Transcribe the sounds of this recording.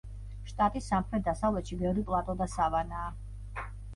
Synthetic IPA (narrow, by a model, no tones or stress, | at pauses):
ʃt̪ʼat̪ʼisːamχɾɛt̪̚d̪asavlɛt̪ʃibɛvɾipʼlˠat̪ʼɔd̪asavanaː